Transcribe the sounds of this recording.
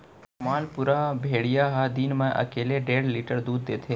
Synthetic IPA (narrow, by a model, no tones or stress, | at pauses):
maːnpʊɾabʱeːɽijaɦad̪iːnmẽʔɐ̰keːleɖeːɽliːʈəɾd̪uːd̪ːeːt̪ʰe